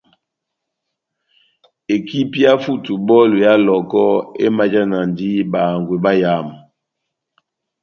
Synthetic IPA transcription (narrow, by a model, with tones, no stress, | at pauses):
e˨ki˦pja˦fu˦tu˨bɔ˦lu˨ja˦lɔ˨kɔ˦ḛ˦ma˦d͡ʒa˦na˨ndi˦ba˨ŋɡwe˨ba˦ja˦˨m˨